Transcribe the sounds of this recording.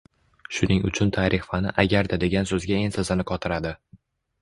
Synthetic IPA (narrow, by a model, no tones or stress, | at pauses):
ʃʊnɪŋʊ̰t͡ʃʰʊnt̪ʰaɾʔɪχfanɪʔaɡʲaɾd̪ad̪e̞ɡʲansɵzɡʲae̞nsazɪnɪqʰɒt̪ʰɪɾad̪ɪ